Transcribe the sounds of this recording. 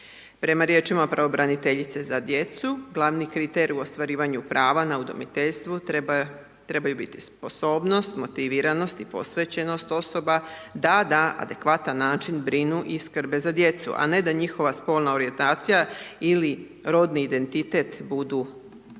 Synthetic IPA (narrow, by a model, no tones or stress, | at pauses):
pɾe̞maɾje̞ːt͡ʃimapɾaʋo̞bɾanit̪e̞ʎit̪se̞zad̪je̞t̪suɡlˠaʋnikɾit̪eɾiuo̞st̪ʋaɾiːʋaɲupɾʔaːʋanaud̪o̞̰mḭt̪e̞ʎst̪ʋu | t̪ɾe̞bajubit̪i̥spo̞so̞ːbno̞st̪mo̞t̪iʋiɾano̞st̪ipo̞̰sʋe̞t͡ɕe̞no̞st̪o̞so̞bad̪ad̪aʔa̰d̪e̞kʋat̪anːaːt͡ʃinbɾinuʔiskr̩ɾbe̞zad̪je̞t̪sṵʔa̰ne̞d̪aɲixo̞ʋaspo̞lˠnao̞ɾie̞nt̪aːt̪sijaili | ɾo̞d̪niːd̪e̞nt̪it̪e̞t̪bud̪u